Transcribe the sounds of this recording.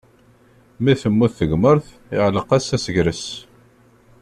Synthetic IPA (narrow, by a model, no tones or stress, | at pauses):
miθəmːuθθəɡməɾθ | ɪʕləqæsæsəʝɾəs